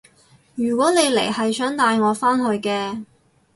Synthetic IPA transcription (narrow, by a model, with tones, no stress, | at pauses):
jyː˨˩kwɔː˨˥ne˨˧jlḛ˨˩jhɐ˨jsœː˨˥ŋt̪aː˧jŋɔː˨˧faː˥nhɵ˧ɥkɛː˧